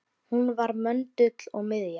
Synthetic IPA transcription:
hunvaɾmœnt̪ʏt̪l̥ɔɣmɪðja

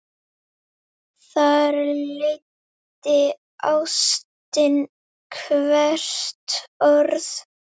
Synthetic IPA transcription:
θaɾlejt̪ | ɪ | ʔawst̪ɪn | kʰvɛr̥t̪ɔɾð

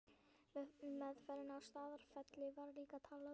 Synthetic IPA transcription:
mɛðfɛːɾɪnawst̪aːðaɾ̥fɛt̪lɪvaɾliːkat̪ʰaːla

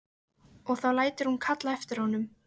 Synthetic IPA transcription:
ɔɣθawlaːjt̪ɪɾ̥hunkʰat̪laɛft̪ɪɾahɔnʏm

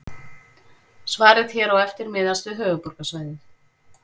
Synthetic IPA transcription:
svaːɾɪðçɛːɾawɛft̪ɪɾmɪːðast̪ʏɦœːvʏpuɾkasvaːjðɪ

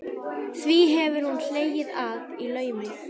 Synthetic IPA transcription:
θviɦɛvɪɾ̥hunl̥eːjɪðaðilœːɥmɪ

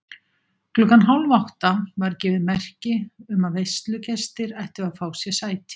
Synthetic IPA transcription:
klʏkanɦawlvawht̪avaɾcɪːvɪðmɛr̥cɪʏmaðvejst̪lʏcɛst̪ɪɾɛjht̪ɪaðfaːwsjɛsaːjt̪ɪ̥

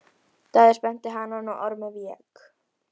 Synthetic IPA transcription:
t̪aðɪspɛn̥t̪ɪɦanːanɔʔɔɾmɛvjɛk

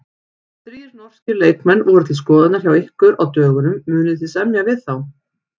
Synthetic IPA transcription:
θɾiːɾnɔr̥scɪɾleːjkmɛnːʔuɾat̪ʰɪskɔːðat̪naɾ̥çawehkʏɾawt̪œːɣʏnʏmːʏːnɪʏθisɛmnjavɪðθaw

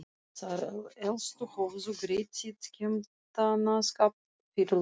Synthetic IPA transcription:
saɾelst̪ʼuχovzuɡretʲʰːitʰkʲʰɪmt̪ʰanaskʼap̚ | pirl

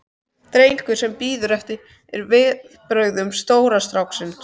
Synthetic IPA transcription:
t̪ɾejŋkʏ̥sɛmpiːðɾœft̪ɪ | ɛ̰ɾvɪð | pɾœɥɣðʏmst̪oːwɾast̪ɾawksɪn

